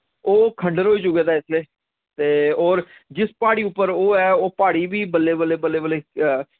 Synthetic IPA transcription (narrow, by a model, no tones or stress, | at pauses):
oːkʰə̃ɳɖəɾɦoːiːd͡ʒʊkeːd̪aːɪslieː | t̪eːɔːɾ | d͡ʒɪspaːɽiːʊpːəɾoːɛːoːpaːɽiːbiːbəlːeːbəleːbəlːeːbəleː